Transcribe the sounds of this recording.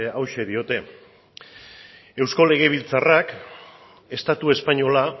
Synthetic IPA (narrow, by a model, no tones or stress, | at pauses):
awʃe̞ðio̞t̪e̞ | e̞wsko̞le̞ɣ̞e̞βilt͡sarak | e̞st̪at̪ue̞spaɲo̞la